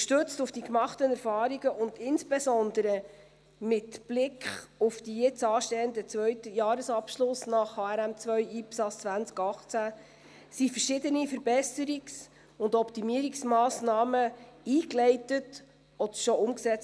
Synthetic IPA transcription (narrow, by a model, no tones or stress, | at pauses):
ʃtɵt͡stufd̥ikmɑχtənɛɾfɑːɾiɡəʔʊndɪnsb̥ɛsɔnd̪əɾə | mɪtb̥lɪkχufd̥ijɛt͡sɑːʃtɛːənd̪ət͡svœɥtəjɑːɾəsɑpʃlʊsnɑχhɑːɛɾæmt͡svœʏʔiːpsɑst͡svænt͡skɑχt͡sæ | sifəɾʃɪdənifəɾbɛsəɾiks | ʊndɔptimiəɾiksmɑːsnɑːməiːklɛɪtət | ɔd̪əʃɔʔʊmksɛt͡s